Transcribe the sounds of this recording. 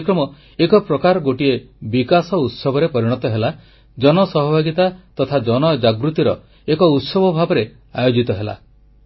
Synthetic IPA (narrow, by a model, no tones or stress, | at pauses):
kɾɔmɔ | ekɔpɾɔkaɾɔɡoʈiebikasɔut̪sɔbʱɔɾepɔɾiɽ̃ɔt̪ɔɦela | d͡ʒɔnɔsɔɦɔbʱaɡit̪at̪ɔt̪ʰad͡ʒɔnɔd͡ʒaɡɾut̪iɾɔ | ekɔut̪sɔbʱɔbʱabɔɾe | ajod͡ʒit̪ɔɦela̰